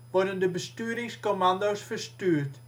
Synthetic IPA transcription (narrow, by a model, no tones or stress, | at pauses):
ʋɔrdəndəbəstyːɾɪŋskomandowsfərstyːrt